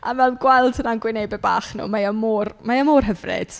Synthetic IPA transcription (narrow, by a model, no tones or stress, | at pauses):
a̰vɛlˠɡwɛlˠdənanɡwɪnejbɛba̰ːχnṵːmajɔmoːrmajamoːrɦəvrɨ̰d̥